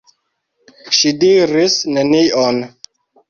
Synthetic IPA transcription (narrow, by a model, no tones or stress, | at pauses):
ʃidiɾisnenion